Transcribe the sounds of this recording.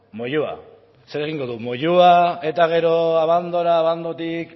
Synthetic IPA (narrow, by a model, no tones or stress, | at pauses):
mo̞ʎua̰ | se̞ɾe̞ɣ̞iŋɡo̞ðumo̞ʎuae̞t̪aɣ̞e̞ɾo̞aβand̪o̞ɾaːβand̪ot̪ik